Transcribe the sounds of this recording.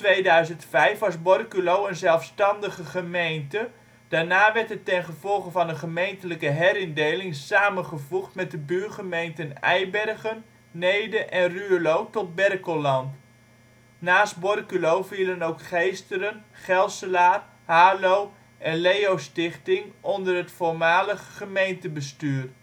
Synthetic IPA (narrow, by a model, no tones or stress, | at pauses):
tʋejdœɥzəntfɛjfʋɑsbɔrkylowənzɛlˠfstɑndəχəχəmejntə | d̥aːɹnaːʋɛrtətɛnχəvɔlˠχəvɑnəχəmejntələkəɦɛɾɪndejlɪŋsaːmənχəvuχtmɛt̚dəbyːrχəmejntənɛ̰jbɛrχənː | ejdəʔɛnrylowtɔt̚bɛrkolɑnt | naːs̚bɔrkylowviːlənowkχejstəɾənχɛlˠsəlaːr | haːlow | ʔɛnlejowstɪχtɪŋɔndərɦətfoɹmaːləχəχəmejntəbəstyːr